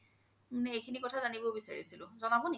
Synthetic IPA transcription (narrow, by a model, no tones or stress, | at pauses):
manɛejkʰinikɔtʰazanibobisa̰ɹḭsilʊ̃zɔnabɔn